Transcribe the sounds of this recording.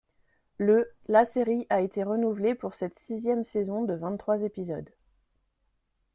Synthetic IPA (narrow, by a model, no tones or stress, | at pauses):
ləlaseʁiʔaet̪eʁənuvlepuʁsɛt̪sizjɛmsezɔ̃d̪əvɛ̃t̪t̪ːχwazepizɔ̰d̪